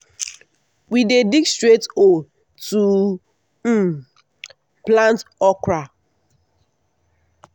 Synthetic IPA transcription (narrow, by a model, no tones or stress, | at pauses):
widedikstɾeto | tu | m̩ | plãntɔkɾa